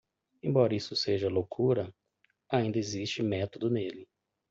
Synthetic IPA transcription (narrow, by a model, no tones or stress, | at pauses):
ẽbɔɾɐisʊseʒɐlowkʰuɾɐ | aĩnd̪ɐezist͡ʃɪmɛt̪od̪ʊnelɪ